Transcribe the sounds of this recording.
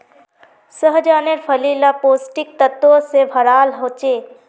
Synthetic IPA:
səɦd͡ʒaneɾpʰəlilapoːsʈik̚t̪ət̪osebʱəɾaːlɦoːt͡ʃe

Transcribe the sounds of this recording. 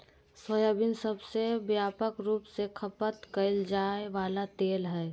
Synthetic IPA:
səjabinsəbsebjaːpəkɾuːpsekʰəpət̪kəɪld͡ʒaːeʋaːlat̪eːlɦɛː

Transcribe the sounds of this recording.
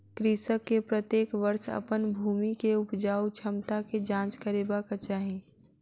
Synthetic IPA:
kɾisəkːepɾət̪jeːkʋəɾsə̰pənbʱuːmikeʊpd͡ʒaːut͡ʃʰəmt̪aked͡ʒãːt͡ʃkəɾeːbakat͡ʃaːɦĩ

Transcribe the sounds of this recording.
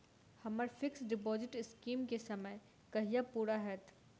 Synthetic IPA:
hɐməɾfɪksɖɪp̬ɔːzɪʈɪskiːmkesɐməj | kɐɦijapuːɾaɦɛːt̪ʰ

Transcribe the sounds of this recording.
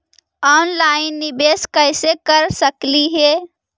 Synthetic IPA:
ɔːnlaɪnːibeskəɪsekəɾsəkliɦeː

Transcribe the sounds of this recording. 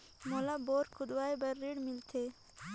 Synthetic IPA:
molaboːɾkʰʊd̪waːjbɐɾːiɽmilt̪ʰe

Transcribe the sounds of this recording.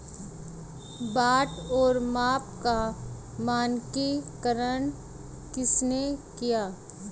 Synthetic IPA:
baːʈɔːɾmaːpka | maːnkikəɾən | kɪsnekijaː

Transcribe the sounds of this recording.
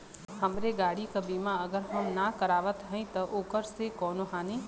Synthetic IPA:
hɐmɾeɡaːɽikabiːmaɐɡəɾɦɐmnakɐɾaːʋət̪ɦɛ̃ĩt̪ɐʔoːkəɾsekɔːnoɦaːnĩː

